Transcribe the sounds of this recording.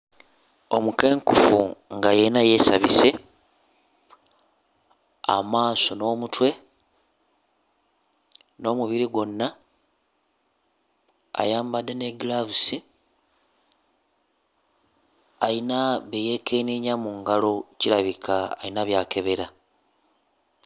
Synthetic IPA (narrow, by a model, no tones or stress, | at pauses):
o̞muke̞ːŋkufuŋɡajenaje̞saβise̞ | a̰maːso̞no̞ːmutwe̞ | no̞ːmuβiɾiɡo̞nːa | a̰jaːmbadːe̞neɡlaβusi | ainaβeje̞kʰeniɲamuŋɡalo̞ciɾaβikʰa̰ːinaβjaːkʰe̞βe̞ɾa